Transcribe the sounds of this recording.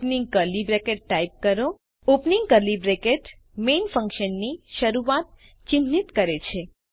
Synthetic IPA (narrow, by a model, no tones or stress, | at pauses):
pniŋɡ̚kəlibɾekeʈ̚ːaip̚kəɾo | upniŋɡkəlibɾekeʈ | menfə̃ŋkʃənːiʃəɾuʋat̪̚ | t͡ʃinːit̪kəɾet͡ʃʰe